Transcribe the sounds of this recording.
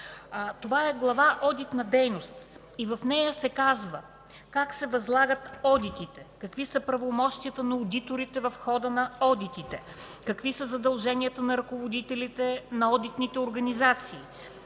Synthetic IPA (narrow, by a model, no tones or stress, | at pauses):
t̪ovaɛɡlˠɐvaʔɔd̪it̪nɐd̪ɛjnost̪ | ivɐfnɛjəsɛkazvə | kaksɛvɐzlˠaɡət̪ɔd̪it̪it̪ɛkɐkvisəpɾɐvomɔʃt̪iət̪ənɐod̪it̪oɾit̪ɛvɐfxɔd̪ənɐɔd̪it̪it̪ɛ | kɐkvisəzɐd̪ɐlˠʒɛnʲijət̪ənɐɾɐkovod̪it̪ɛlit̪ɛnɐɔd̪it̪nit̪ɛoɾɡɐnizat̪siː